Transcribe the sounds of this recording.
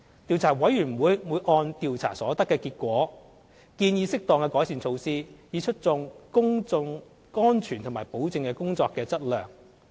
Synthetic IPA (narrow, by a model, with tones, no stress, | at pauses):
t̪i˨˧wt͡sʰaː˨˩wɐ˨˥jy˨˩nm̩˨˩wuː˨˧jwuː˨˧jʔɔː˧nt̪iː˨wt͡sʰa̰ː˨˩sɔː˨˥t̪ɐ˥kːɛː˧kiː˧t̚kʷɔː˨˥ | kiː˧njiː˧sɪ˥k̚t̪ɔː˧ŋkɛː˧kɔː˨˥jsiː˨˩ŋt͡sʰo˧wsiː˥jiː˨˧t͡ʃʰɵ˥t̚t͡sʊ˧ŋkʊ˥ŋʊ˧ŋ | ɔː˥nt͡ʃʰyː˨˩nt̪ʰʊ˨˩ŋmaː˨˩jpo˨˥wt͡sɪ˧ŋkɛ˧kʊ˥ŋt͡sɔː˧kːɛː˧t͡sɐ˥t̚lœː˨˩ŋ